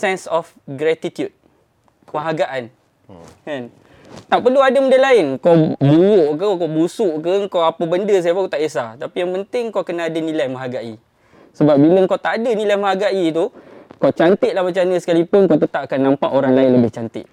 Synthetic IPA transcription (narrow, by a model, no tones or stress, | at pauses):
sɛnsɔf | ɡɾɛt̪it̪jud̚ | məɦaɡaʔan | kan | t̪aʔpəluadəməndəlaɪnkawbuwʊʔkəkowbusʊʔkəŋkawapəbəndəs̬ajapakot̪aʔesat̪apijaŋpənt̪ɪŋkawkənaːdənĩlajməɦaɡaʔḭ | səbap̚biləŋkawt̪aʔadənĩlajmə̃ɦaɡaʔit̪ukawt͡ʃant̪ɪʔ̪lahmət͡ʃanəsə̥kalipʊnkawt̪ət̪apakanːãmpaʔoɾaŋlaɪnləbɪht͡ʃant̪ɪ̰ʔ̪̚